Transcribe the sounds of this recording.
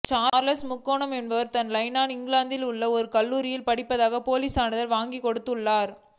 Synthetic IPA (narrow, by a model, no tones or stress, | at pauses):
t͡ʃaːɾlɐsmʊkːoːɳɐmɛnbɐʋɐɾt̪ɐnlɐɪnaːnɪŋɡɪlaːnd̪ɪlʊɭːɐɔɾɯkɐɭːuːɾɪjɪlpɐɽɪpːɐðaːɣɐpoːliːsaːɳɯðɐlʋaːŋɡikɔɽɯt̪ːɯɭːaːɾ